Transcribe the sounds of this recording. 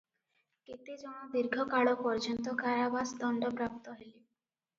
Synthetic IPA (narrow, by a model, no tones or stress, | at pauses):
ket̪id͡ʒɔɽ̃ɔd̪iɾɡʱɔkaɭɔpɔɾd͡ʒɔnt̪ɔkaɾabasd̪ɔɳɖɔpɾap̚t̪ɔɦele